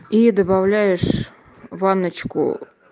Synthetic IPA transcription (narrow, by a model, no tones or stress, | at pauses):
id̪əbavlʲæjɪʂ | vɑnət͡ɕkʊ̰